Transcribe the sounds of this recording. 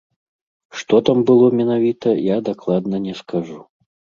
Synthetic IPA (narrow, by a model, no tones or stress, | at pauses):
ʂt̪ɔt̪ambɨlˠɔmʲɛnavʲit̪ɐjad̪aklˠad̪nɐnʲɛskʰaʐu